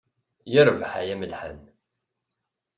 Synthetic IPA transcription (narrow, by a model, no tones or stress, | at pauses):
jɪɾˤvħa̰jæməlħə̰n